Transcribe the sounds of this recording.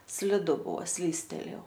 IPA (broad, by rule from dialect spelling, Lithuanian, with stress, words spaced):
sʲlʲɪˈdʊ ˈbuɔ ˈsʲlʲiːsʲtʲɛlʲeːjɛʊ